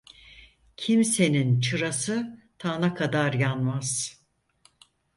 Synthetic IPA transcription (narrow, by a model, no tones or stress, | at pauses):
cʰimse̞nint͡ʃʰɯɾasɯt̪ʰaːnakʰad̪aɾjanmaz̥